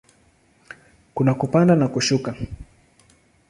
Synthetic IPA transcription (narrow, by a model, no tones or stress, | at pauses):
kʊnakʊpandanakʊʃʊkaŋ